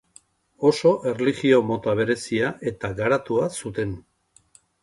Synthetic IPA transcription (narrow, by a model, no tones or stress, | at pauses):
o̞so̞ʔe̞rliɣio̞mo̞t̪aβ̞e̞ɾe̞siaʔe̞t̪aɡaɾat̪uasut̪e̞n